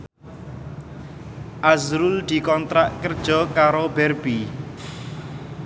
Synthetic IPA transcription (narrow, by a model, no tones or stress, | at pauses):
ʔazɾuld̪̥i̤kɔnt̪ɾaʔkərd̥ʒ̥ɔ̤kaɾobɛrbi